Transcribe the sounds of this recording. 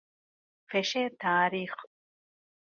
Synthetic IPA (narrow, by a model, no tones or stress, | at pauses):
fɛʃɛt̪ʰaːɾiχ